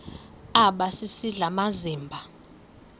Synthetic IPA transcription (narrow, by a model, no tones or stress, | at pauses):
aɓasisiɮamaziːmbʱa